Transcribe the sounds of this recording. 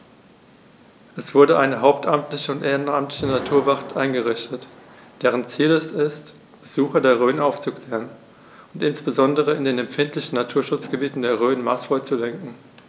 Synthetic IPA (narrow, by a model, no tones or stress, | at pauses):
ʔɛsv̥ʊɐdəʔaɪnəɦaʊp̚tʰʔamtlɪçəʊntʔeːʁənamtlɪçənatʰuːɐvaχtʰʔaɪnɡəʁɪçtət | d̥eːʁ̞ənt͡siːlɛsɪst | b̥əzuːxɐdeːɐʁ̞øːnʔaʊft͡sukl̥eːʁən | ʊntʔɪnsb̥əzɔndəʁ̞əɪndeːnɛmfɪntlɪçn̩natʰuːɐʃʊt͡sɡ̥əbiːtn̩deːɐʁ̞øːnmasv̥ɔʏt͡sulɛŋkŋ̩